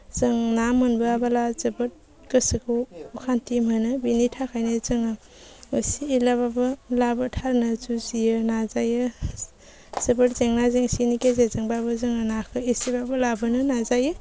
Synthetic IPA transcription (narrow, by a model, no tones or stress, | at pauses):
zɯŋnamɯnbɯabalazɯbɯt̚ | ɡɯsɯkʰuukʰantimɦɯnɯbinitʰakʰajnɯzɯŋɯ | ɯsiːlaβabɯlabɯtʰaɾnɯzuziɯnazajɯ | z̥ɯbɯt̚zeŋnazeŋsinikezezɯŋbabɯzɯŋɯnakʰɯesibabɯlabɯnɯnazajɯ